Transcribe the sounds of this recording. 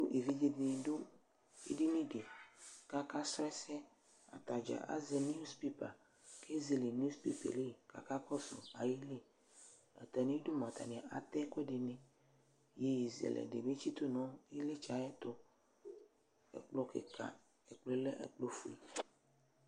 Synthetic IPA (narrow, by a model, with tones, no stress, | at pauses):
do˦ʔe˨vi˦d͡ʒe˦d̪e˨˦do˦ | ḛ˦di˦nĩ˦ɖe˨ka˦ka˦sɛ˦sɛ˦ | a̰˨t̪a˨d͡ʒa̰˨ʔa̰˦ze˨n˦u˦spi˦pa̰˨ | kʰe˦zi˨li˨n˦u˦spḭ˦pḛ˨li˦˨ka̰˨ka˦kɔ˦so̰˨a˨ji˦li˦ | ɛ̰˨t̪a˨nĩ˦i˦do˦mã˨t̪a̰˨nĩ˨a˨ʔa˨t̪ɛ˦kʷɛ˦ɖe˨nẽ˨ | je˨ji˨zi˨ḛ˨lʔɛ̰˨ɖḛ˨mẽ˦t͡ʃi˦t̪o˦nɔ̃˦i˦le˦t͡ʃa˨˦jɛ˦t̪o˦ | ḛ˨k͡plo˦kḛ˨ka̰˨ | e˨k͡ple˦le˦ʔḛ˨k͡plo˦fṵ˨i˨